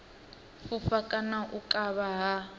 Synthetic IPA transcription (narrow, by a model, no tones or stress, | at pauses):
fufakʼanaʔukʼaβaɦa